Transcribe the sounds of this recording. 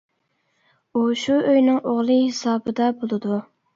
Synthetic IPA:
uʃuøjnɪŋʔoʁlˠɨhɪsɑːbɨd̪ɑbolˠɨd̪u

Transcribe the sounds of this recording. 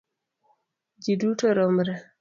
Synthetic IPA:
d͡ʒidutɔɾɔmɾa

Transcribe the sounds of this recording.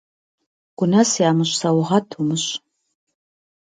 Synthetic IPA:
ɡ̥ʷʊnɐsjaːmɨɕʼsɐwʁɐtʰumɨɕ

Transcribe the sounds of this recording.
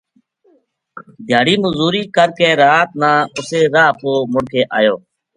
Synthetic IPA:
d̪ʱjaːɽiːmʊzuːɾiːkəɾkeːɾaːt̪̚nãːʊseːɾaːpoːmʊɽkʰeːʔa̰ːjoː

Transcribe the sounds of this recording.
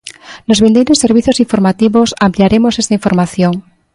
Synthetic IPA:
lozβend̪ejɾoseɾβ̞iθjosiɱfoɾmat̪iβosampliaɾemosest̪aiɱfoɾmaθjoŋ

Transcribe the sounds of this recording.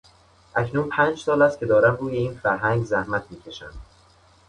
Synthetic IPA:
ʔæcnuːnpʰæːnd͡ʒsɒːlæst̪̚cʰe̞d̪ɒːɾæmruːje̞iːnfæɾɦæŋɡzæhmæt̪ʰmiːcʰe̞ʃæ̰nd̪

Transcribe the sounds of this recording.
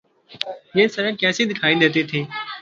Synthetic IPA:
jẽːsəɾə̃ːkɛ̃ːseːd̪ɪkʰaːĩːd̪eːt̪eːt̪ʰeː

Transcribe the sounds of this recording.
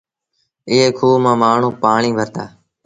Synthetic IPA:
ɪɦeːkʰuːmãːmaːɳ̤ũːpaːɳĩːʋʱəɾt̪aː

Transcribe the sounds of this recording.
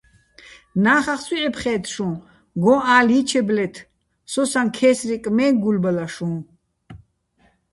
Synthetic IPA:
naːχaχswiɛpʰχɛːt̪ʰʃũ | ɡɔ̃aːlit͡ʃʰɛblɛt̪ʰ | sɔsankʰɛːsɾikʼmɛːɡulbalaʃũː

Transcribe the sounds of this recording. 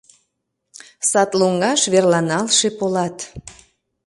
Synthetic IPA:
sɑt̪loŋɡɑʃβerlɑnɑlʃepolɑt̪

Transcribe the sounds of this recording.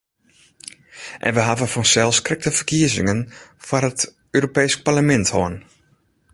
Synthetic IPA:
ʔɛ̰nʋəɦavəfɔnsɛlˠskrɪk̚təfərkiəzɪ̰ŋənfarɦət | øːɾopejsk̚parləmɛnthoən

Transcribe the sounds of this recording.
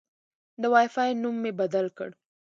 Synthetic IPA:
d̪əwajfɑjnumːebad̪alkə̰ɽ

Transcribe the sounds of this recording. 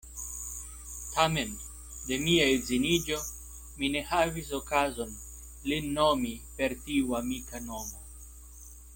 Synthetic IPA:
tʰame̞n | d̪e̞miaezinid͡ʒo̞ | mine̞havisokazo̞n | linːomipe̞ɾtiuamikanomo

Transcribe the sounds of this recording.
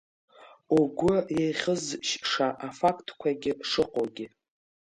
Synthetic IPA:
uɡʷʊjejχʲəzʃʂaʔafakʰtʰkʷʰaɡʲɪʂɨqʷʼoɡʲɪ

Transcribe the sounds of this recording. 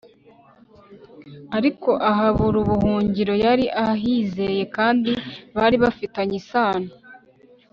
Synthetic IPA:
aɾiko̞ʔaɦaβuɾuβuhuːɲɟiɾo̞jaɾiʔahaɦiːze̞je̞kaːndiβaɾiβafitaɲisaːno

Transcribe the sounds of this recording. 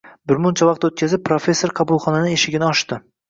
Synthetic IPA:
bɪɾmʊnt͡ʃʰavɑqt̪ot̪̚kʲʰazɪp̚ːɾofe̞sːo̞ɾqʰɑbʊlˠχɒnanɪeʃɪɡʲɪnɪɒʃt̪ɪ

